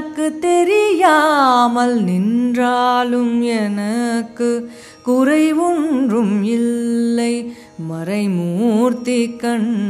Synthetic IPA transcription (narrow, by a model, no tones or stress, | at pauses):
kːɯt̪ɛɾɪjaːmɐlnɪndraːlɯmɛnɐkːɯ | kʊɾɐɪʋundrɯmɪlːɐɪ | mɐɾɐɪmuːɾt̪ikːɐɳ